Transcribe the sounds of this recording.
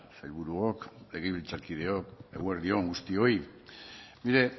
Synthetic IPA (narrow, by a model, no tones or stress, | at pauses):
sajlβuɾuokle̞ɣ̞eβ̞ilt͡saɾkið̞e̞oke̞̰ɣweɾðio̞ŋɡust̪io̞i | niɾe̞